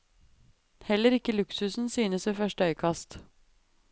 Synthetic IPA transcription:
hɛləɾɪkəlʉksʉsn̩syːnəsʋeːfœʂʈəœʏkʰɑst̪

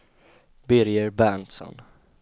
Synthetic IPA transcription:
bɪɾjəɾbænt̪sɔ̰n

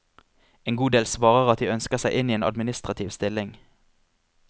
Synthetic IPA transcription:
eːnɡuːd̪eːlsʋɑːʁəʁɑt̪̚d̪iːœnskəʁsæɪʔɪniːeːnɑ̰d̪mɪnɪst̪ʁɑt̪ʰiːʋst̪ɪlɪŋ

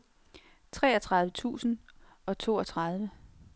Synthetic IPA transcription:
t͡sʰʁɛ̰ːɐt͡sʰʁɑ̈ðˠʋət͡sʰṵːsn̩ | ɒ̽t͡sʰo̝̰ːɒt͡sʰʁɑ̈ð̞ˠʋə

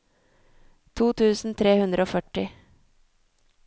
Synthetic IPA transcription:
t̪ʰuːt̪ʰʉːsn̩t̪ʰɾeːhʉnd̪ɾəoːfœʈɪ

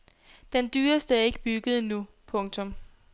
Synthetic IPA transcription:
d̥end̥yːɐsd̥əæɐe̝ɡ̥əb̥yɡ̥əð̞̩ˠnu | pʰɔ̽ŋt͡sʰɔ̽m

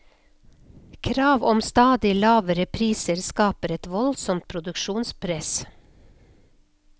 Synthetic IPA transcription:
kʰɾɑːʋɔmst̪ɑːd̪ɪlɑːʋəɾəpʰɾiːsəɾskɑːpəɾɛt̪ʋɔlsɔmt̪̚pʰɾʊd̪ʉkʃuːnspʰɾɛs

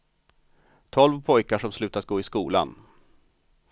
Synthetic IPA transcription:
t̪ʰɔlvpʰɔjkaʂɔmslʉ̟ːt̪at̪̚ɡoːɪskuːla̰n

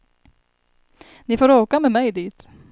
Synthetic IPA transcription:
nɪfoːɾoːkamɛmɛjd̪iːt̪

